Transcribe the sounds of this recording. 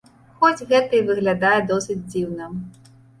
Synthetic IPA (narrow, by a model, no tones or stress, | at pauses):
xɔd͡zʲɣɛt̪ɐjivɨɣlʲad̪ajɛd̪ɔsɨd͡zʲd͡zʲiwnɐ